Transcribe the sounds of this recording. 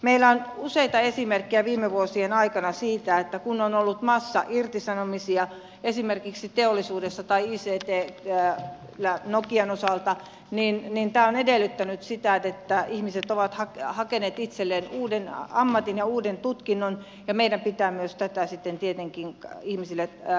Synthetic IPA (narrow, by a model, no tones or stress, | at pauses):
meilːæonuseit̪ɑesimerkːiæʋiːmːeʋuosienɑikɑnɑsiːt̪æet̪ːækunonolːut̪mɑsːɑ̰ʔirt̪isɑnomisiɑ | esimerkiksit̪eolːisuːdesːɑt̪ɑiiːseːt̪eː | lænokienosɑlt̪ɑ | ninnint̪æːonedelːyt̪ːænyt̪sit̪æet̪ːæihmiset̪oʋɑt̪hɑkhɑkeneːt̪it̪selːenuːdenɑmːɑt̪injɑuːdent̪ut̪kinːon | jɑmeidæmpit̪æːmyøst̪æt̪æsit̪ːent̪iet̪eŋkiŋihmisilːe